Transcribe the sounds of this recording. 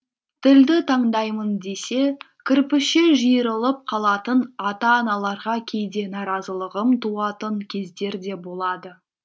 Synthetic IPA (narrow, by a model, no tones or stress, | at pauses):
t̪ʰɪld̪ɪt̪ʰɑɴd̪ɑjmənd̪e̞se̞ | kʲʰɪɾpɪʃeʒijəɾəlˠəp̚qʰɑlˠɑt̪ənɑt̪ɑːnɑlˠɑɾʁɑkʲʰe̞jd̪e̞nɑɾɑzəlˠəʁəmt̪ʰuɑt̪əŋkʲʰe̞zd̪e̞ɾd̪e̞bo̞lˠɑd̪ə